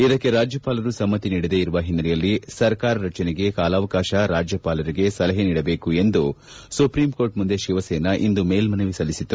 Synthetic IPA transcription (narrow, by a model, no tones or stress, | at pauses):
id̪ɐkːe̞ɾaːd͡ʒjɐpaːlɐɾusɐmːɐt̪ːiniːɽid̪e̞ːiɾuʋɐɦinːɐɾɛjɐlːisɐɾkaːɾɐɾɐt͡ʃɐneɡe̞kaːlaːʋɐkaːʃɐɾaːd͡ʒjɐpaːlɐɾiɡe̞sɐlɐɦeniːɽɐbe̞ːkue̞nd̪u | supɾiːmko̞ːɾʈmund̪e̞ʃiʋɐseːnɐʔind̪umeːlmɐnɐʋisɐlːisit̪ːu